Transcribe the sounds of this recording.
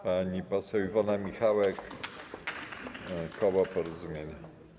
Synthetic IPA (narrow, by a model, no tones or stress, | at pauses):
paɲipɔsɛwivɔnamʲixawɛk | kɔwapɔɾɔzumʲjeɲa